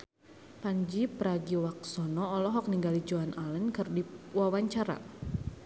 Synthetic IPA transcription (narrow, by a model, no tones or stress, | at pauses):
paɲd͡ʒipəɾaɡiwak̚sɔnɔːlɔɦɔk̚niŋɡalid͡ʒoanalənkərdiwawaɲt͡ʃaɾa̰